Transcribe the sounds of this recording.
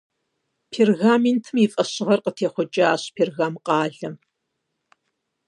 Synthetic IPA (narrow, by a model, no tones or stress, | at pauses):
pʰeːrɣaːmentʰɨmifʼɐɕɪʁɐrqətʰeːχʷʊt͡ʃʼɐaːɕpʰeːrɣaːmqɑːɮɐm